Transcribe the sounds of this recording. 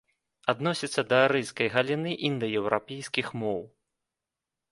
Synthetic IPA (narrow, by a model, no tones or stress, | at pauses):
ad̪nɔsʲit̪sːɐd̪ɐɾɨjskɐjɣɐlʲinɨʔind̪ɐjɛwɾapʲejskʲixmɔw